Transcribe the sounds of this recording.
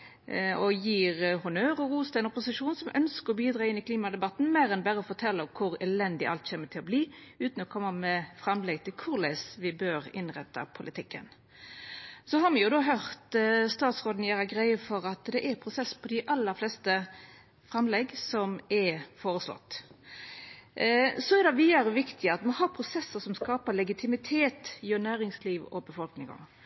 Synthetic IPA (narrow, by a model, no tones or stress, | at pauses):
ɔjiːɾhʊnøːɾɔʁuːst̪ɛnɔpʊsɪʂuːnsɔmʔœnskəɾɔbiːd̪ɾɑːɪnːɪkʰliːmɑd̪ɛbɑt̪n̩mæːɾɛnbæɾəɔfɔt̪ʰɛlːəɔkʰʊɾɛlɛnd̪ɪʔɑ̰lt̪çeːmət̪ʰɪlɔbliːʉːt̪n̩ɔkʰɔmːəmɛfɾɑmlɛɡt̪ʰɪlkʰʊɾlæɪsʋɪbøːɾɪnʁɛt̪ʰːɑ̰pʰʊlʔɪt̪ʰɪkːə̰n | sɔɦɑɾmɪjʊd̪oːɦœʁt̪st̪ɑːt̪sʁoːd̪n̩jæːɾəɡɾæɪəfɔɾɑt̪d̪ɛʔæɾpʰɾʊsɛsːpʰɔd̪ɪʔɑlːəɾflɛst̪ə | fɾɛmlɛɡsɔmɛfoːɾəslɔ̰t̪ː | sɔɛɾd̪ɛʋiːɑɾəʋɪkt̪ʰɪɑt̪mɔɦɑɾpʰɾʊsɛsːəsɔmskɑːpəlɛɡɪt̪ʰɪmɪt̪ʰeːt̪jønæːɾɪŋsliːʋɔ̰bəfɔlknɪŋɔ̰